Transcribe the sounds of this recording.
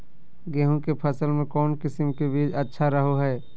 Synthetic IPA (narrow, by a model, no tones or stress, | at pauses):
ɡeːɦũkepʰəsəlmẽkɔːnkɪsɪmkebiːd͡ʒətːʃʰaɾəɦoɦɛː